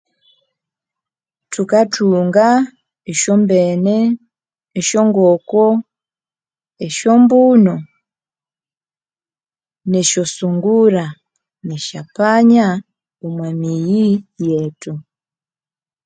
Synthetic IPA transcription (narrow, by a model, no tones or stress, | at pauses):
tukatʰuŋɡa | eʃɔmbenɛː | ʃɔŋɡɔkɔ | eʃɔmbunɔ | neʃosuŋɡuɾa | neʃapaɲa | umwamijijetu